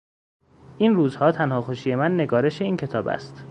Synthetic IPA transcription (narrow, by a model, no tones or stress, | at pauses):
ʔinruːzhɒːt̪ʰænhɒːxoʃiːje̞mænːe̞ɡɒːɾe̞ʃe̞iːncʰe̞t̪ʰɒːbæ̰st̪